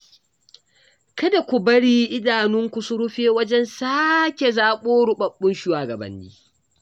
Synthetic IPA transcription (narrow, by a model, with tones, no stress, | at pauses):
kɐ˦da˨kʷu˨bɐ˦ɽiː˦ʔɪ˦daː˨nʊ˦ŋkʷu˨sʊ˦ɽʊ˦ɸeː˦wɐ˦d͡ʒɛ˦nsaː˦kʲe˨zaː˦˨ɓoː˦ɽʊ˨ɓɐ˦ɓːʊ˦nʃɪ˦waː˨ɡɐ˨bɐ̰˦nːḭː˦